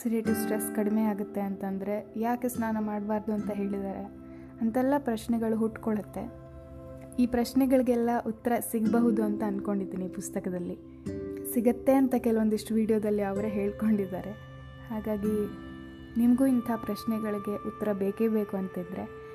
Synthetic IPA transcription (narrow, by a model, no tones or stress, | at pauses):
siɾiɐʈisʈɾeskɐɽime̞aːɡɐt̪ːe̞ɐnt̪ɐnd̪ɐɾe̞jaːkesnaːnɐmaːɽbaːɾd̪uɐnt̪ɐɦe̞ːɭid̪aːɾe̞ | ɐnt̪ɛlːɐpɾɐʃnɛɡɐɭuɦuʈːkoɭɐt̪ːe̞̰ | iːpɾɐʃnɛɡɐɭiɡeɛlːɐʔut̪ːɐɾɐsiɡbɐɦud̪uɐnt̪ɐːnko̞ɳɖid̪ːiːnipust̪ɐkɐd̪ɐlːi | siɡɐt̪ːe̞ɐnt̪ɐkɛluond̪iʂʈuʋiːɽijoːd̪ɐlːiɐʋɐɾeɦe̞ːɭko̞ɳɖid̪ːa̰ːɾe̞ | haːɡaːɡi | nimɐɡuːint̪ʰapɾɐʃnɛɡɐɭiɡe̞ʔut̪ːɐɾɐbeːkeːbe̞ːkuɐnt̪id̪ɾe̞